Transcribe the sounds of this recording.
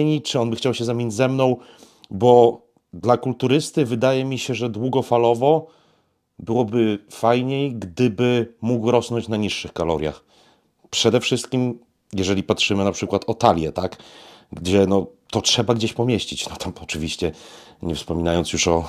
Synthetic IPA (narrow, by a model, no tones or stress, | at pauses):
ɲit͡ʂɘɔnbɘxt͡ɕawɕɛzamʲiɲd͡ʑzɛmnɔ̃w̃ | bɔ | d̪lakult̪uɾɘst̪ɘvɘd̪ajɛmʲiɕɛʐɛd̪wuɡɔfalɔvɔ | bɘwɔbɘfajɲejɡd̪ɘbɘmuɡwɾɔsnɔɲt͡ɕnaɲiʂːɘxkalɔɾʲja̰x | pʂɛd̪ɛfʂɘst̪̚kʲim | jɛʐɛlʲipatʂɘmɘnapʂɘkwat̪ʰɔt̪alʲjɛt̪akɡd͡ʑɛnɔt̪ɔtʂɛbaɡd͡ʑeɕpɔmʲjeɕt͡ɕit͡ɕnɔt̪ʰamɔt͡ʂɘvʲiɕt͡ɕɛɲɛfspɔmʲinajɔntsjuʂɔ